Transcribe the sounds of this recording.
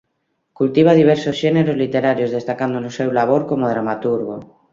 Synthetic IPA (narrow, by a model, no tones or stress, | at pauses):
kult̪iβ̞að̞iβ̞eɾsosʃeneɾozlit̪eɾaɾjozðest̪akand̪onosewlaβ̞oɾkomoð̞ɾamat̪uɾɣo